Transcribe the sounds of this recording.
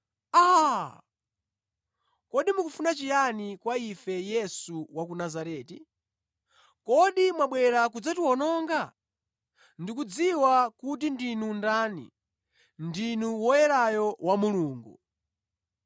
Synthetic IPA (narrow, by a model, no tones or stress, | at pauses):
a | kɔɗimukufunat͡ʃijanikwaifɛjɛsuwak̬unazaɾɛːti | kɔɗimwaɓwɛɾak̬ud͡zatuwɔnɔːŋɡa | ndikud͡ziwakut̬indinundaːnḭ | ndinuwɔjɛɾajɔwamuluːŋɡu